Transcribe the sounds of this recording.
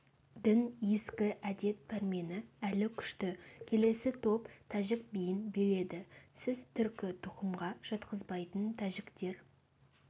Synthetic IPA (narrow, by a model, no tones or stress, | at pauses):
d̪ɪnje̞skʲɪʔæd̪e̞t̪̚bæɾme̞nɪælɪkʲʰʏ̥ʃt̪ɪkʲʰe̞le̞sɪt̪ʰo̞pt̪ʰæʒɪk̚bijɪnbe̞le̞d̪ɪsɪzt̪ʰʏɾkʲɪt̪ʰʊqəmʁɑʒ̥ɑt̪qəzbɑjt̪ənt̪ʰæʒɪkt̪e̞ɾ